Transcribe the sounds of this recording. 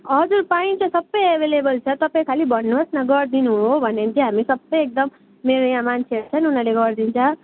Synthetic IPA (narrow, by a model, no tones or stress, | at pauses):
ʌd͡zuɾpaĩt͡sʌsʌbːʌjebʱelebʌlt͡sʰʌt̪ʌpaj̃kʰalibʌnːuɦosnʌɡʌrd̪inuɦũɦobʱʌnːent͡sʰiɦamisʌbːʌjek̚d̪ʌm | meɾojãmansʰeʈ̚t͡sʰʌnunaleɡʌrd̪int͡sʰʌ